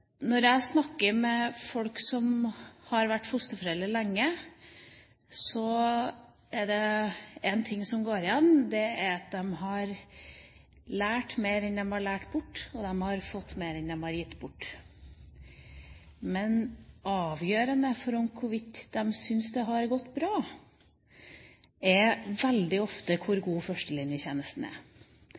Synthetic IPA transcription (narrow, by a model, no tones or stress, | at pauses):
nɔɾjæɪsnɑkːəɾmɛfɔlksɔmhɑɾʋæʈːfʊst̪əfɔɾɛlːəlæŋːə | sɔ | æɖɛɛnt̪ʰɪŋːsɔmɡoːɾɪjɛnːd̪ɛæɾɑt̪̚d̪ɛmɦɑɾ | læːʈmeɪɾɛnd̪ɛmhɑɭæːʈbʊʈːɔd̪ɛmhɑɾfɔt̪ːmeɪɾɛnd̪ɛmhɑɾjɪt̪ːbʊʈː | mɛnʔɑːʋjøːɾənəfɔɾɔmkʰʊɾʋɪt̪ːd̪ɛmsʏnsd̪ɛɦɑɾɡɔt̪ːbɾɑː | ɛɾʋɛld̪ɪɔft̪əkʰʊɾɡuːfœʂʈəlɪnjəçeːnəst̪n̩æ̰